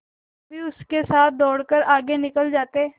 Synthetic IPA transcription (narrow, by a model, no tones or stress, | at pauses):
bʱiʊskesaːt̪̚ʰd̪ɔːɽkəɾaːɡenɪkəld͡ʒaːt̪eː